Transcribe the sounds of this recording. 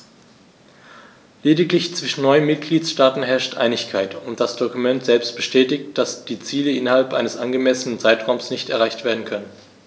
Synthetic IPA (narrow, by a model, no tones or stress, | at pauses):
leːdɪklɪçt͡sv̥ɪʃn̩nɔʏənmɪt̚ɡ̥liːtʃtaːtn̩ɦɛɐʃtʔa̰ɪnɪçkʰaɪtʊntd̥asd̥ɔkumɛntz̥ɛlpstb̥əʃtɛːtɪçtd̥asd̥iːt͡siːləʔɪnɐhalpʔaɪnəsʔanɡəmɛsənənt͡saɪtʁ̥aʊmsnɪçtɛɐʁaɪçtv̥eːɐdn̩kʰœnən